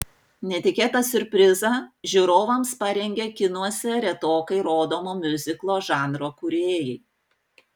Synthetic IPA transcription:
nʲɛt̪ʲɪkʲeːt̪ɐsʲʊɾʲpʲɾʲɪzɐʒʲʊɾoːʋɐmspɐɾʲɛŋʲɡʲekʲɪnuɔsʲɛɾʲɛt̪oːkɐɪɾoːd̪oːmoːmʲʊzʲɪklˠoːʒɑːnɾoːkʊɾʲeːjɛɪ

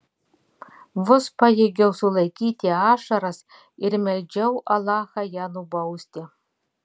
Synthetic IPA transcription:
ʋʊspɐjeːɡʲɛʊsʊlˠɐɪkʲiːt̪ʲɪɑːʃɐɾɐs | ɪɾmʲɛlʲd͡ʒʲɛʊʔɐlˠɑːxɐjæːnʊbɐʊsʲt̪ʲɪ

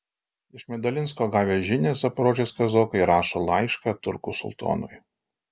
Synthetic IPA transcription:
ɪʃmʲɛd̪ɐlʲɪns̬koːɡɑːʋʲeʒʲɪnʲeːsɐpɾoːʒʲeskɐzoːkɐɪɾɑːʃolˠɑɪʃkɑt̪ʊɾkʊsʊ̰lˠt̪o̰ːnʊ̰j

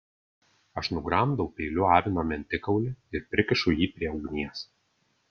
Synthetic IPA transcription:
ɐʃnʊɡɾɑˑmd̪ɐʊpʲelʲʊɑːʋʲɪnoːmʲɛnʲt̪ʲɪkɐʊlʲɪɪɾpʲɾʲɪkʲɪʃʊjiːpʲɾʲiɛʊɡnʲiɛs

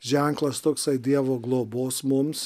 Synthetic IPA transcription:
ʒʲɛŋklˠɐst̪oːksɐɪd̪ʲiɛʋoːɡlˠoːboːsmʊms

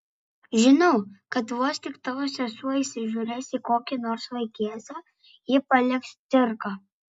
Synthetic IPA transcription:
ʒʲɪnɐʊkɐt̪ʋuɔst̪ʲɪkt̪ɑʋoːsʲɛsuɔisʲɪʒʲuːɾʲɛsiːkoːkʲɪnoːɾsʋˠɐɪkʲiɛsʲoː | jɪpɐlʲɪkst̪sʲɪɾkɐ

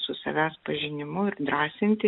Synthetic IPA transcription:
sʊsɐ̰ʋʲæːspɐʒʲɪnʲɪmʊɪɾd̪ɾɑːsʲɪnʲt̪ʲɪ

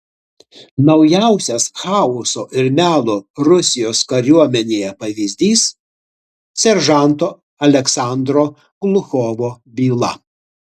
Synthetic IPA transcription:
nɐʊjæˑʊsʲɛsxɑːʊsoːʔɪɾmʲæːlˠoːɾʊsʲɪjoːskɐɾʲuɔmʲɛnʲeːjɛpɐʋʲiːzʲd̪ʲiːs | sʲɛɾʒɑˑnˑt̪oː | ɐlʲɛksɑˑnd̪ɾoː | ɡ̥lˠʊxoːʋoː | bʲiːlˠɐ

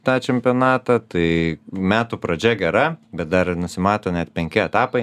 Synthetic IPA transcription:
t̪ɑːt͡ʃʲɛmʲpʲɪoːnɑːt̪ɐt̪ɐɪmʲæːt̪uːpɾɐd͡ʒʲɛɡʲɛɾɐbʲɛt̪̚d̪ɐɾnʊsʲɪmɑːt̪oːnʲɛt̪pʲɛŋʲkʲɪɛt̪ɑːpɐɪ

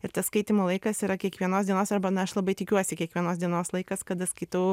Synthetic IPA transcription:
ɪɾt̪ɐsskɐɪt̪ʲɪmoːlˠɐɪkɐsiːɾɐkʲiɛkʋʲiɛnoːsd̪ʲiɛnoːsɐrbɐnɐɐʃlˠɐbɐɪt̪ʲɪkʲuɔsʲɪkʲiɛkʋʲiɛnoːsd̪ʲiɛnoːslˠɐɪkɐskɐt̪ɐskɐɪt̪ɐʊ

